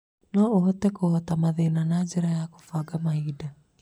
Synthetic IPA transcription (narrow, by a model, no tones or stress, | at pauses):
nɔoɦɔt̪ɛkohɔt̪amaðenanad͡ʒɛɾajako̥faɡamahida